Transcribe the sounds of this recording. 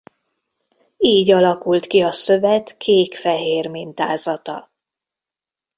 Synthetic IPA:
iːɟɒlɒkult̪kiɒsø̞vɛt̪kʰeːkfɛɦeːrmint̪aːzɒt̪ɒ̰

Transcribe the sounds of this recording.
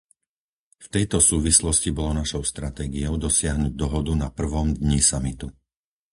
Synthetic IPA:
ft̪ɛjt̪ɔsuːʋislɔscibɔlɔnaʃɔʊst̪ɾat̪ɛːɡiɔʊd̪ɔsɪaɦnuɟ̚d̪ɔɦɔd̪unapr̩ʋɔmd̪ɲisamit̪u

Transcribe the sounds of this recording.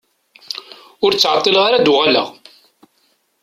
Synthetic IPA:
ʊɾt͡sːʕɑt̪ˤːilʁaɾad̪uʁalə̰ʁ

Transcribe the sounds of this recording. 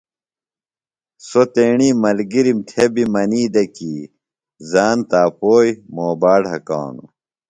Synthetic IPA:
sot̪eːɳiːmɐlɡiɾimt̪ʰebimɐniːd̪ɐki | zaːnt̪aːpoːjmoːbaːɽɦɐka̰ːnṵ

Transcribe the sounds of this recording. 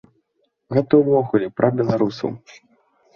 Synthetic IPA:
ɣɛt̪ɐwvɔɣulʲipɾʔɐbʲɛlˠaɾusɐ̰w

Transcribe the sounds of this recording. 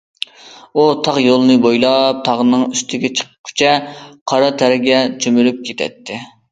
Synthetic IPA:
ut̪ʰɑʁjolˠɨnɨbojlˠɑp̚t̪ʰɑʁənɨŋyst̪ʰɪɡʲɛt͡ʃʰə̥qʰə̥kʲʰy̥t͡ʃʰɛqʰɑɾɑt̪ʰɛɾɪɡʲɛt͡ʃʰømyɾyp̚kʲʰet̪ʰɛ̰t̪ʰːɪ

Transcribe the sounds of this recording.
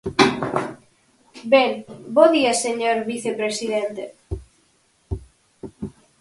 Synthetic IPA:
beŋboðiaseɲoɾβiθepɾesiðent̪e

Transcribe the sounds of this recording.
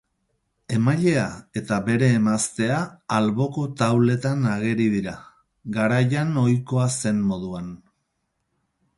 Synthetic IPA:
e̞maʎe̞ae̞t̪aβe̞ɾe̞ːmast̪e̞aːlβo̞ko̞t̪awle̞t̪anaɣe̞ɾiðiɾa | ɡaɾajano̞jko̞ase̞mmo̞ð̞uan

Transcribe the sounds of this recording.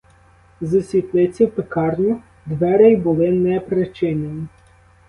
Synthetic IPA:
zɐsʲʋʲit̪lˠɪt͡sʲiwpekɑrnʲʊ | d̪ʋɛɾɛjbʊlˠɪnɛpɾet͡ʃɪnʲenʲi

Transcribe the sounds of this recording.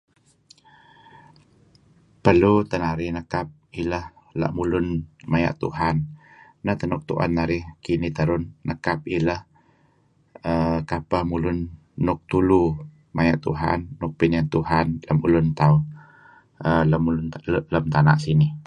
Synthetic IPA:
pərlut̪ənaɾɪhnəkap̚iləh | la̰ʔmulʊnmaja̰ʔt̪ṵɦanː | əht̪ənʊk̚t̪uʔa̰nːaɾɪhkinit̪əɾʊnːəkap̚iləh | əkapəhmulʊnː | ʊk̚t̪ulu | majaʔt̪ṵɦa̰nːʊk̚pɪnjaŋt̪uɦanləmulʊnt̪a | ələmulnləmt̪ana̰ʔsinɪh

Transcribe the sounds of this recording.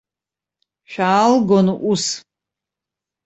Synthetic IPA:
ʃᶣaːlɡonuʔus

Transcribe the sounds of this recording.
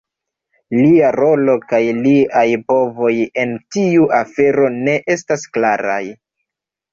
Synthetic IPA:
liaɾo̞lo̞kajliajpo̞vo̞je̞ntiuʔafe̞ɾo̞ne̞ʔe̞stasklaɾa̰j

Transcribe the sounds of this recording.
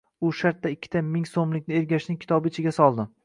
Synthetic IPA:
ʊʃaɾt̪̚d̪ːaɪkʲʰːɪ̥t̪ʰamɪŋsomlɪkʲnɪe̞ɾɡʲaʃnɪŋʲkʲʰɪ̥t̪ʰɒbɪt͡ʃʰɪɡʲasɒlˠd̪ɪ

